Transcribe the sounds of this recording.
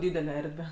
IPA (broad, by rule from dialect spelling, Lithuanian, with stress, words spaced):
ˈdʲiːdʲɛlʲɛ ˈɛrʲdʲʋʲɛ